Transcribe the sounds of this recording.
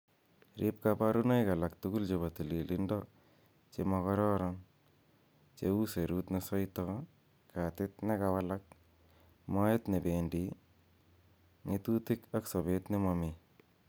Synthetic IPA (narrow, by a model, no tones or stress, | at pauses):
ɾʔip̚kapaɾunajkalak̚t̪ukuld͡ʒebat̪ililɪndɔ | t͡ʃemɔkɔɾɔɾɔn | t͡ʃḛuseɾuːt̪nesɔjt̪ɔ | kat̪ɪt̪̚nɛkawalak̚ | mɔjet̪nɪbeːndi | ŋit̪ut̪ɪkaksɔbeːt̪nɪmɔmi